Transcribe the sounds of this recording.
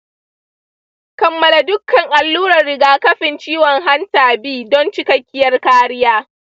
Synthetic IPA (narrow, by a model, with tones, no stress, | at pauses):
kɐ˨mːɐ˦la˨dʊ˦kːɐ˨ŋʔa˨lːuː˦ɾɐ˨rːɪ˨ɡaː˦kɐ˦ɸɪ˨nt͡ʃiː˦wɔ˨ŋɦa˦ntaː˨biː˦dɔ˦nt͡ʃɪ˦kɐ˦kʲːɪ˦jɐ˦rkaː˦ɽɪ˦jaː˦